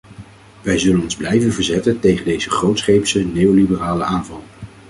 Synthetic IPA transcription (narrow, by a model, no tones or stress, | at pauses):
ʋɛjzɵlənɔnzblɛjvənvəɹzɛtəntejχəndejzəχrowtsχejpsənejolibəraːləaːnvɑlˠ